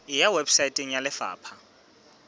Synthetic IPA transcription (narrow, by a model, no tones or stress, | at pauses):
ɪjawebsaitʼeŋ̩jalɪfa̰ːpʰa